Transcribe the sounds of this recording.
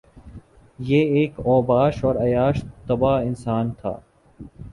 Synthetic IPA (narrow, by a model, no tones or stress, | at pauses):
jeːkɔːbaːʃɔːɾɐjaːʃt̪ɐbaːɪnsaːnt̪ʰa̰ː